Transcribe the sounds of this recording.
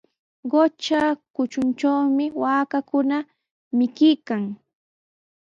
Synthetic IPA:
ɢot͡ʃakʊt͡ʃʊnt͡ʃawmɪwaːkakʊna | mɪkɪkaŋ

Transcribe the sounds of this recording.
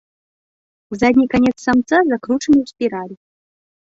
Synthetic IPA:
uzad̪ʲnʲikanʲɛt̪sːamt̪sazakɾut͡ʂənɨwspʲiɾalʲi

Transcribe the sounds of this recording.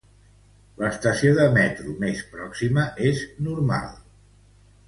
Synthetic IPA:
ləst̪əsioðəmɛt̪ɾumespɾɔksiməʔeznuɾma̰lˠ

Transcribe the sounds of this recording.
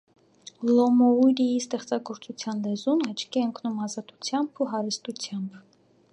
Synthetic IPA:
lɔmɔuɾijist̪ɛχt͡sɑɡɔɾt͡sut͡sʰjɑnlɛzunɑt͡ʃʰkiɛəŋkʰnumɑzɑt̪u̥t͡sʰjɑmbʰuɦɑɾəst̪ut͡sʰjɑmb

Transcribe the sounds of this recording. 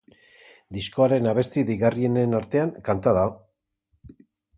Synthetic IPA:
d̪isko̞aɾe̞naβ̞e̞st̪iðejɣarie̞nenaɾt̪e̞aŋkant̪aðao

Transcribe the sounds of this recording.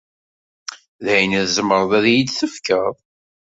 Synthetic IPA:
ðæjnæðzəmːəɾˤðˤæðjid̪θəfkəðˤ

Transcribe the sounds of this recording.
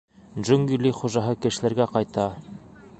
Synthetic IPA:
ʒɵŋɡylʲːiχuʒɑɦɤkɘ̆ʃɘ̆læɾɡæqɑjt̪ɑ

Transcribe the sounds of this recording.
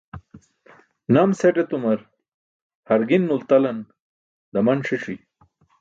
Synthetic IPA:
naːmseʈet̪umɐɾ | hɐɾɡinːult̪ɐlɐn | d̪ɐmɐnʂiʂi

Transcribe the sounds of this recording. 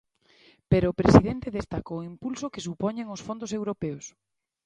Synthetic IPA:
peɾoːpɾesiðent̪eðest̪akoimpulsokesupɔɲeŋosfond̪ʊsewɾopeos

